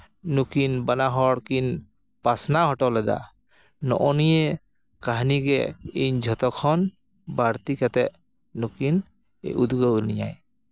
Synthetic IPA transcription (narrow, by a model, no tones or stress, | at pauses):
nukinbanaɦɔɽkin | pasnahɔʈɔlɛd̪a̰ | nɔ̰ʔɔnijɛ | kaɦniɡɛind͡ʒʱɔt̪ɔkʰɔn | baɾt̪ikat̪ɛʔ | nukin | ud̪ɡɔwnija̰j